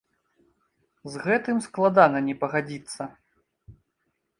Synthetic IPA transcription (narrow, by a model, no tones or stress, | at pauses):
zɣɛt̪ɨmsklˠad̪anɐnʲɛpɐɣad͡zʲit̪sːɐ